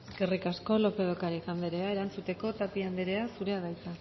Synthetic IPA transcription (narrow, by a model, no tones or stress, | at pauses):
eske̞rikasko̞lo̞pe̞ðokaɾiɣand̪eɾe̞ae̞ɾant͡sut̪e̞ko̞t̪apiand̪eɾe̞asuɾe̞aɣajt͡s̪a